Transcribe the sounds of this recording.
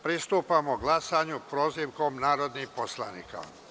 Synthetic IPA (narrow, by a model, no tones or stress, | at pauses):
pɾist̪uːpamoɡlˠasaɲupɾo̞ːziʋko̞mnaːɾo̞d̪nimposlˠa̰nḭːka̰